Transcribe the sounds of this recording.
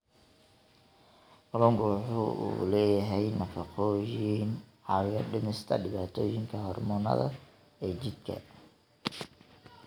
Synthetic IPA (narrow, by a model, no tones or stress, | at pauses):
ʔɔlɔŋkʊwħuṵːlɛːjɐɦɛjnɐfɑqɔːjinʕɑjɐɖɪnɪst̪ʰɐ̰ɖɪβaːt̪ʰɔːjɪŋkʰɐhɔrmɔːnɐ̰ðɐ̰ | ɛːt͡ʃɪd̪kʰɐ̰